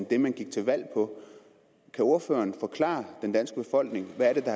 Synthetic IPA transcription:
nd̥e̝mænɡ̥iɡ̥̚t͡sʰe̝lʋæl̰pʰɒ̽ | kʰæo̝ɐfø̰ːɐːnfɒ̽kʰlɑ̰̈ːd̥end̥ænsɡ̥əb̥e̝fɒ̽l̰ɡ̥ne̝ŋʋæɐɾ̥e̝d̥ɑ̈

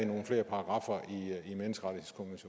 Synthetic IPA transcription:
ino̝ːn̩fle̝̰ːɐpʰɑ̈ɡ̥ʁɑ̈fɐiimenəsɡ̥ʁɑ̈ɾ̥ihe̝ðˠskʰomeɕo

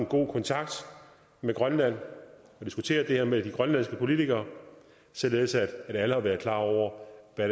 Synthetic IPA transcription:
nɡ̥o̝̰ːkʰɒ̽nt͡sʰɑ̈ɡ̥̚d̥ | meɡ̥ʁɶnlæn̰ɒ̽d̥isɡ̥ut͡sʰe̝̰ːɐd̥e̝heɐmed̥iɡ̥ʁɶnlæn̰sɡ̥əpʰo̝lit͡sʰiɡ̥ɐː | sɒle̝ːðˠsæd̥d̥æləhɑ̈ʋæːɐðˠkʰlɑ̰̈ːɒʊ̰ɐʋæ

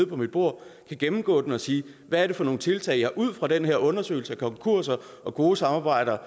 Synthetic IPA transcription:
ð̩ˠpʰɒ̽mid̥b̥o̝ɐ̰kʰæɡ̥emm̩ɡ̥ɔ̰̽ːd̥enɒ̽siː | ʋææɐɾ̥e̝fɒ̽no̝ːn̩t͡sʰe̝lt͡sʰɛ̰ɪjɑhɑ̈ʔuð̞̰ˠfʁɑ̈d̥enɦeɐ̰ɔ̽nɐsø̰ːɪl̩səækʰɒ̽ŋkʰuɐ̰sɐ | ʔɒ̽ɡ̥o̝ːsɑ̈mɑ̈ːb̥ɑ̈ɪ̰ɾ̥ɐː

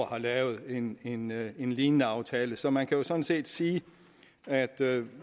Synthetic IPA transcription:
hɑ̈lɛːʊð̩ˠe̝ne̝ne̝nliːnənəɑ̈ʊt͡sʰɛːləsɒ̽mænkʰæjo̝sɒ̽dn̩se̝̰ːd̥siː | æd̥

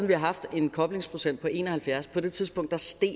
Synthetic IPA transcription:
nʋihɑ̈ɦɑ̈fd̥e̝nkʰɒ̽b̥le̝ŋspʰʁo̝sen̰d̥pʰɒ̽e̝ːnɒhælfjæɐspʰɒ̽d̥e̝t͡sʰið̞ˠsb̥ɔ̽ŋ̰d̥ɑ̈sd̥e̝̰ː

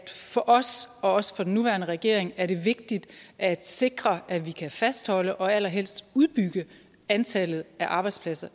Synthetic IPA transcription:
fɒ̽ʔɒ̽sɒ̽ɒ̽sə̥fɒ̽den̩ːuʋæːɐnəʁɛɡ̥e̝ɐeŋæɐɾe̝ʋe̝ɡ̥̚d̥id̥ʔæd̥se̝ɡ̥ʁɐʔæʋikʰæfæsd̥hɒ̽ləʔɒ̽æl̰ɐɦel̰sd̥uð̞ˠb̥yɡ̥ə | ænt͡sʰɛlð̞̩ˠæʔɑ̈ːb̥ɑ̈ɪdspʰlæsɐ

